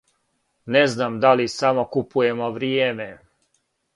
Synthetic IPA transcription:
neznamd̪alisamokupujemoʋɾieːme

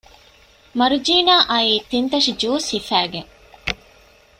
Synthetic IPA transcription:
mɐɾud͡ʒiːnaːʔɐiːt̪int̪ɐʂid͡ʒuːshifæːɡeŋ

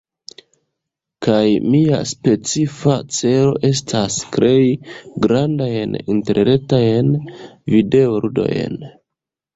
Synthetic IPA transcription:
kajmia̰spe̞t͡sifat͡se̞ɾo̞̰ʔe̞s̬tʰaskɾe̞jɡɾandajninte̞ɾɾe̞tajnvide̞oɾudo̰j̰n

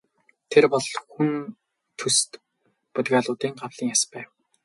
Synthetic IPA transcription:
t̪ʰerpɔɮxun | t̪ʰɵst̪ | put̪ɣaːɮʊːt̪iːŋɢawɮ̥iːŋjaspæːw

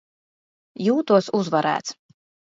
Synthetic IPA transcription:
juːt̪uɔsuzvaɾæ̰ːt̪s

